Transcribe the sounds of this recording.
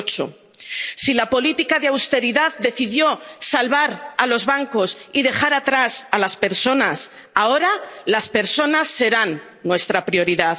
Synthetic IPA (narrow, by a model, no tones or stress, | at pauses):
t͡ʃo̰ | silapo̞lit̪ikaðeawst̪e̞ɾiðaðd̪e̞θiðjo̞salβaɾalo̞zβaŋko̞siðe̞xaɾat̪ɾasalaspe̞ɾso̞nas | ao̞ɾalaspe̞ɾso̞nasːe̞ɾanː | we̞st̪ɾapɾio̞ɾiðað